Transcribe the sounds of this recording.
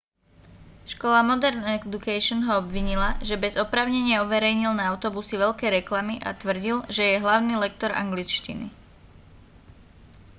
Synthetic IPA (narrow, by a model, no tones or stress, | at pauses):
ʃkɔlamɔd̪ɛɾnɛd̪ukɛʃɔnɦɔɔbʋiɲilaʒɛbɛzɔpɾaːʊɲɛɲɪauʋɛɾɛjɲilnaaʊt̪ɔbusiʋɛʎkɛːɾɛklamiʔa̰t̪ʋr̩ɟilʒɛjɛɦlaʊniːlɛk̚t̪ɔɾa̰ŋɡlit͡ʃcḭnḭ